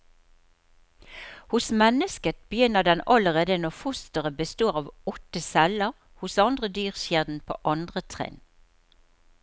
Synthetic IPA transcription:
hʊsmɛnəskət̪̚bəjʏnəd̪ɛnɑləʁeːd̪ənɔfʊst̪əʁəbəst̪oːʁɑːʋɔt̪əsɛləʁ | hʊsɑnd̪ʁəd̪yːʁʃjeːd̪n̩pʰo̰ːʔɑnd̪ʁət̪ʰʁɛ̰n

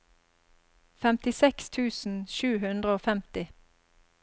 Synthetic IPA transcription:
fɛmt̪ɪsɛkst̪ʰʉːsn̩ʃʉːhʉnd̪ʁəoːfɛmt̪ɪ

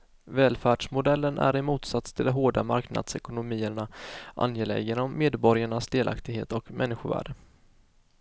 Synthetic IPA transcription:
vɛːlfæːɖʂmʊd̪ɛlːənʔæ̰ɾɪmuːt̪sat̪st̪ʰɪld̪ɔmɦoːɖamaɾkna̰d̪̥sɛkʊnʊmiːəɳaʔa̰njeːlɛ̰ɡənɔmːeːd̪bɔɾɪjaɳasd̪eːlʔa̰kt̪ɪɡɦḛːt̪ɔkmʔɛnːɪɧʊɾvæ̰ːɖə

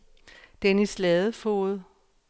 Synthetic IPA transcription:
d̥enəslɛðˠəfo̝̰ð̩ˠ

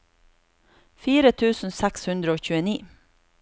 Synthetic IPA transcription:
fiːɾət̪ʰʉːsn̩sækshʉnd̪ɾəoːçʉːəniː

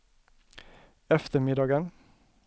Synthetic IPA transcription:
ɛft̪əmɪd̪ɑːɡən

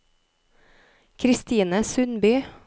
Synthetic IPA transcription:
kʰɾɪst̪iːnəsʉnbyː

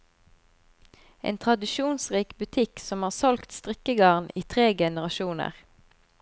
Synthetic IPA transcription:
ʔḛːnt̪ʰʁɑd̪ɪʃuːnsʁiːkbʉt̪ʰɪksɔmhɑːʁsɔlkt̪st̪ʁɪkəɡɑːʁniːt̪ʰʁeːɡɛnəʁɑʃuːnə̰ʁ

